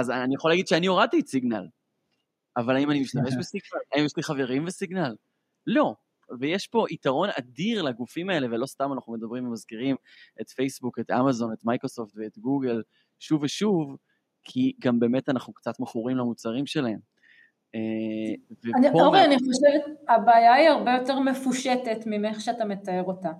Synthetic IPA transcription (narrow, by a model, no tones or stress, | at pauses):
azanijaχolaɡid̪ʃeanioʁad̚t̪iːtsiɡna̰l | avalaimanimiʃt̪ameʃbesiɡnalaimjeʃliχaveʁimvesiɡnalː | o̞ | vejeʃpo̞ʔitaʁo̞na̰diʁlaɡufimae̞le̞velo̞st̪amanaχnumed̪ɐbʁimvemazkiʁim | ʔet̪fejsbuket̪a̰mazo̞net̪majkʁosoftveːt̪ɡuɡel | ʃuveʃuv | kʰiɡambe̞metanaχnukt͡sat̪meχuʁimlamut͡saʁimʃe̞lae̞m | evenipooʁeanioʃevet̪abaːjaiaʁbe̞jo̞teʁme̞fuʃetetmimeχʃeatame̞t̪aeʁo̞t̪a